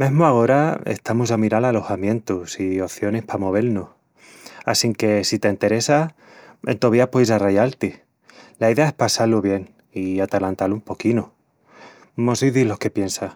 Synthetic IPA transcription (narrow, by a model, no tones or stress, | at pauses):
mẽ̞ɦmoaɣo̞ɾaḛst̪amus̬amiɾalalo̞xamjẽ̞nt̪usio̞θjo̞nehpamo̞β̞e̞ɾnoh | a̰siŋke̞sit̪e̞int̪e̞ɾe̞sa | ḛnt̪oβiapoisarajalt̪i | laiðe̞ae̞hpasaloβje̞ŋ | iat̪alant̪alumpo̞kino | mosiðilo̞hke̞pje̞nsa